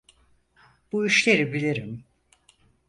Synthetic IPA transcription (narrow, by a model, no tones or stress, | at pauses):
b̥uiʃlʲe̞ɾibilʲiɾim